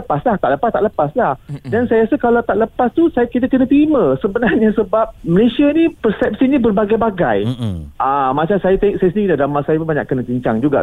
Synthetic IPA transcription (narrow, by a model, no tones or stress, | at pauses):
əpaslaht̪aʔləpast̪aʔləpaslahdansajaasakalawt̪aʔləpast̪usajakit̪akənãt̪əɾimãsəbənarɲasəbap̚məlesianipərsɛp̚sinibərbaɡajbaɡa̰jamat͡ʃasajat̪eŋʔsajasəniiladamasajapubaɲa̰kənãtiɲt͡ʃaŋd͡ʒuɡa̰ʔ